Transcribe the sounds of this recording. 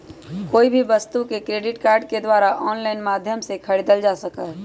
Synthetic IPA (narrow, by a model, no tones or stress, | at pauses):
koːibʱiʋəst̪ukekɾeːɖɪʈkaːɾɖked̪waːɾaʔɔːnlaɪnmaːd̪ʱjəmsekʰəɾid̪əld͡ʒasəkə